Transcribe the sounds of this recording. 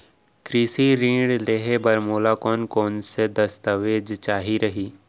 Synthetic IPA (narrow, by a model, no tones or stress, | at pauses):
kɾiːsiɾĩːɽleːɦebɐɾmoːlakɔːnkɔːnsed̪ɐst̪əʋeːd͡ʒt͡ʃaːɦiɾɐɦiː